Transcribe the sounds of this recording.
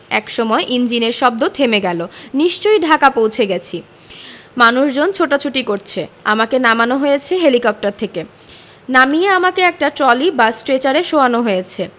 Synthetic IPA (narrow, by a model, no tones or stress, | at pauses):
ɛ̰kʃɔmɔeʔind͡ʑineɾʃɔb̚d̪ot̪ʰemeɡɛloniʃt͡ɕojɖʱakapowt͡ɕʰeɡɛt͡ɕʰi | manuʃd͡ʑont͡ɕʰoʈat͡ɕʰuʈikoɾt͡ɕʰeamakenamanoɦojet͡ɕʰeɦelikɔp̚ʈaɾt̪ʰeke | namieamakeɛk̚ʈat͡ɕɔlibasʈɾet͡ɕaɾeʃoanoɦojet͡ɕʰe